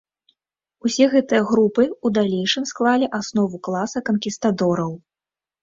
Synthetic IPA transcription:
usʲɛɣɛt̪ɨjɐɣɾupɨud̪alʲejʂɨmsklˠalʲiʔasnɔvuklˠasɐkɐnkʲist̪ad̪ɔɾɐw

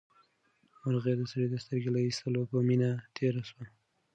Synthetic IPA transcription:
maɾɣed̪əsəɾed̪əst̪əɾɡelaist̪əlopəminat̪ʰeɾaʃwa

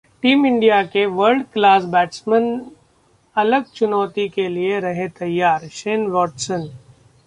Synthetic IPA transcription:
ʈiːmɪ̃ɳɖijakeʋəɾɖklaːs̬bɛːʈsmən | ɐləɡ̚t͡ʃʊnɔːt̪ikelieɾɐɦẽt̪ɐjːaːɾʃeːnʋɔːʈsə̃n

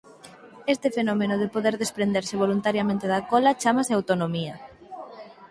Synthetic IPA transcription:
est̪ɪfenɔmenoðepoðeɾðespɾend̪eɾseβ̞olunt̪aɾjamẽnt̪eðakɔlɐt͡ʃamaseawt̪onomiɐ

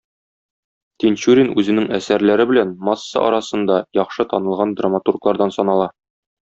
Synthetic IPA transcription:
t̪ʲent͡ɕuɾʲinʉzɘ̆nɘŋæsæɾlæɾɘbɘ̆lænmɑsːɑ̰ʔɒ̰ɾɑsɤ̆nd̪ɑjɒχʃɤt̪ɒnɤ̆lˠʁɑnd̪ramat̪urklˠɑɾd̪ɑnsɒnɑlˠɑ

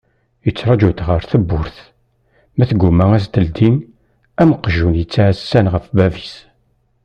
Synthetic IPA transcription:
jət͡sːɾˤɑd͡ʒut̪ʁəɾθəbːʊɾθ | mæθɡʷːumæŋæst̪əld̪in | æməqːʒunjət͡sːaʕssːænʁəfbævi̥s

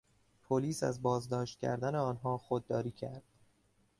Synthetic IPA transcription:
pʰoliːsæ̰zbɒːzd̪ɒːʃt̪̚cʲʰæ̰ɾd̪æneɒːnɦɒːxod̪̚ːɒːɾiːcʰæɾd̪̥

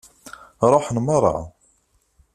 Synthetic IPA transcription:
ɾˤoħnməɾˤɑ̰ʕ

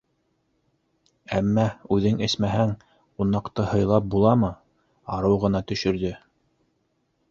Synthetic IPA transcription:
æmːæʉðɘŋɘ̆smæɦæŋ | qunːɑqt̪ɤhɤ̆jlˠɑp̚bulˠɑmɤ | ɑɾɤwʁɤ̆nɑt̪ɵ̆ʃɵ̆ɾðɵ

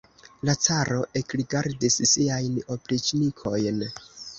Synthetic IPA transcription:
lat͡saɾo̞ʔe̞kɾiɡaɾdissiajno̞pɾit͡ʃnikʰo̞jn

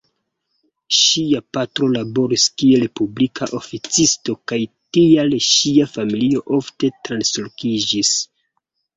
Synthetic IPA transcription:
ʃiapatɾo̞labo̞ɾiskie̞lepublikʰaʔo̞fit͡sisto̞kajtialʃiafamilio̞ʔo̞fte̞tɾanslokid͡ʒis

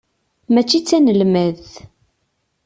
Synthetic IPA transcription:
mæt͡ʃːit͡sːænəlmæð

